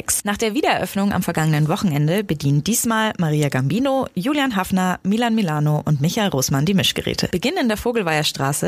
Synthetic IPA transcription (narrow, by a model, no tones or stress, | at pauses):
ɛksnaːχd̥eːɐviːdɐɛɐʔœfnʊŋa̰mfɛɐɡaŋənənvɔχn̩ɛndəbədiːntd̥iːsmaːlmaʁiːaɡambiːnojuːljanɦafnɐmiːlanmilaːnoʔʊntmɪçaɪlʁoːsmandiːmɪʃɡ̥ə̰ʁɛ̰ːtʰə̰b̥əɡɪnnɪndeːɐfoːɡl̩vaɪɐʃtʁ̥aːsə